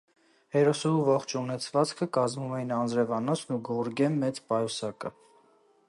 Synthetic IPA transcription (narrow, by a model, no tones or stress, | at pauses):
hɛɾɔsɔuvɔχt͡ʃʰunɛt͡sʰvɑt͡skʰəkɑzmumɛjinɑnd͡zɾɛvɑnɔt͡sʰnuɡɔɾɡɛmːɛt͡spɑjɔsɑkə